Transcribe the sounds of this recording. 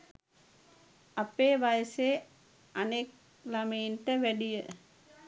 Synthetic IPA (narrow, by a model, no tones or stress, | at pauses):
apeːʋajəseː | anek̚ | lamejinʈəʋæɖijə